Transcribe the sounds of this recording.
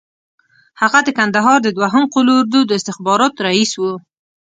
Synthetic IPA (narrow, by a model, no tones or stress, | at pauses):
haɣad̪əkand̪aɦɑɾd̪əd̪waɦəmqʊloːɾd̪ud̪əɪst̪ɪxbɑɾɑt̪ɾaiswu